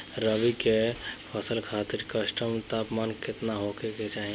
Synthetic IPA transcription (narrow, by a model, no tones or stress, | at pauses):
ɾəbikepʰəsəlkʰaːt̪ɪɾkəsʈəmt̪aːpmaːnkɪt̪naɦokeket͡ʃaːɦĩ